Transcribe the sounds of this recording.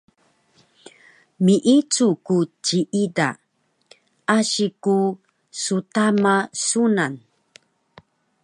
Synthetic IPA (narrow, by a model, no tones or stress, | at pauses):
miʔit͡sukut͡ɕiʔida̰ | aɕiku | sutamasunan